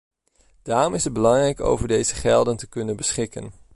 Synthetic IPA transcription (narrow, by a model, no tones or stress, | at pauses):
d̥aːrɔmɪsəd̚bəlɑŋrɛjko̰wvəɹdejzəχɛlˠdəntəkɵnənbəsχɪkə̰n